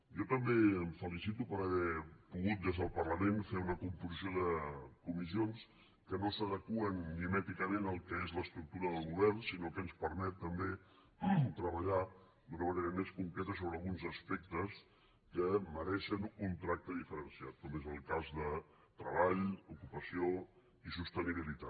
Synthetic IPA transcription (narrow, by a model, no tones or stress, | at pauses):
jɔt̪əmbeəmfəlisit̪upəɾəβɛpuɣut̪̚d̪ezðəlˠpərləmenfeunəkumpuzsioðəkumizions | kənosəðəkuənːimɛt̪ikəmenəlˠkɛezləst̪ɾuk̚t̪uɾəðəlˠɣuβɛrnsinokənspəɾmɛt̪ːəmbe | t̪ɾəβəʎa | d̪unəməneɾəmeskuŋkɾɛt̪əsoβɾəːlˠɣunzəspɛk̚t̪əs | kəməɾɛʃənunt̪ɾak̚t̪əðifəɾənsiat̪̚kɔmezəlˠkazðə | t̪ɾəβaʎukupəsio | isust̪əniβilit̪a